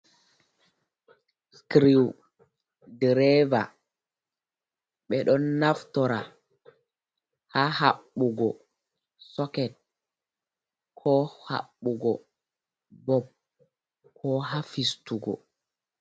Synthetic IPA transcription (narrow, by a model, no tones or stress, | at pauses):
skɾiw | dɛɾɛva | ɓɛɗɔnːaftɔɾa | hahaɓːuɡɔ | sɔkɛt̚ | kʰɔha̰ɓːuɡɔ | bɔb̚ | kʰɔɦafistuɡɔ̰